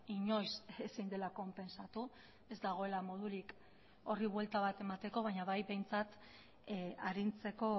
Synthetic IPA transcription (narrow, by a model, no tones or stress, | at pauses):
iɲo̞jsesind̪e̞lako̞mpe̞nsat̪u | e̞zd̪aɣ̞o̞e̞lamo̞ð̞uɾik | o̞riβwe̞lt̪aβ̞at̪e̞mat̪e̞ko̞β̞aɲaβajβe̞jnt͡sat̪ | aɾint͡se̞ko̞